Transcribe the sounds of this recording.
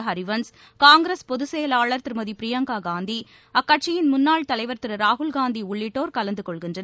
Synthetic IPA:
ɦɐɾɪʋɐns | kaːŋɡɾespɔðɯsɛjɐlaːɭɐɾt̪ɪɾmɐðipɾɪjɐŋɡaːɡaːnd̪i | ɐkːɐʈ̚t͡ʃɪjɪnmʊnːaːɭt̪ɐlɐɪʋɐɾt̪ɪɾɯɾaːɦʊlɡaːnd̪iʊɭːɪʈːoːɾkɐlɐnd̪ɯkɔɭɣɪndrɐn

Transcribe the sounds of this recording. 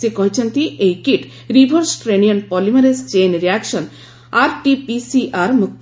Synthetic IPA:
ikɔɦit͡ʃʰɔnt̪iʔejkiʈ | ɾibʱɔɾsʈɾenijɔnpɔlimaɾest͡ʃenɾiaksɔn | aɾʈipisiʔaɾmuk̚

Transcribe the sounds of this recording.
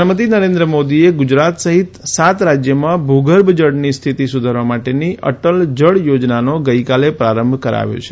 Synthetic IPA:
mət̪̬inəɾend̪ɾəmod̪ieɡʊd͡ʒɾat̪səɦit̪sat̪ɾad͡ʒjəmãbʱuɡəɾbʱd͡ʒəɽnist̪ʰit̪isud̪ʱaɾʋamaʈeniʔə̰ʈəld͡ʒəɽjod͡ʒnanoɡəjkalepɾaɾəmbʱkəɾa̰ʋjo̰t͡ʃʰe

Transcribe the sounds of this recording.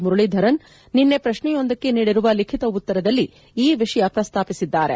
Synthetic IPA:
muɾuɭid̪ʱɐɾɐnː | inːe̞pɾɐʃɳɛjo̞nd̪ɐkːe̞niːɽiɾuʋɐlikʰit̪ɐut̪ːɐɾɐd̪ɐlːi | iːʋiʂɐjɐpɾɐst̪ʰaːpisid̪ːaːɾḛ

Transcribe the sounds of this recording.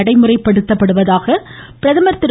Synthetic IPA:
ɐɽɐɪmɯrɐɪpːɐɽɯt̪ːɐpːɐɽɯʋɐðaːɣɐpɪɾɐðɐmɐɾt̪ːɪɾ

